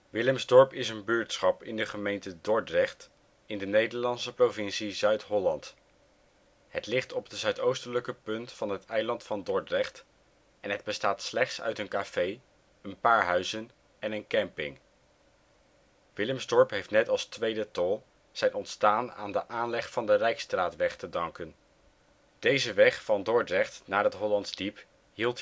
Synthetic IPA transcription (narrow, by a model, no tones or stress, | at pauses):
ʋɪləmzdɔɹpɪsənbyːɹtsχɑpɪndəχəmejntədɔɹtrɛχt | ɪndənejdəɹlɑnsəprovɪnsizœɥtɦɔlɑnt | ɦətlɪχtɔpdəzœɥtowstələkəpɵntfɑnɦətɛjlɑntfɑndɔɹtrɛχt | ɛnɦəd̚bəstaːtslɛχtsœ̰ɥtənkav̥ej | ənpaːɹɦœɥzən | ɛnənkɛmpɪ̰ŋ | ʋɪləmsdɔɹpɦejftnɛtɑlˠstʋejdətɔlˠ | z̥ɛjnɔntstaːna̰ːndəʔaːnlɛχfɑndərɛjkstraːtʋɛχtədɑŋkən | d̥ejzəʋɛχfɑndɔɹdrɛχtnaːɹətɦɔlɑntsdip | ɦilˠt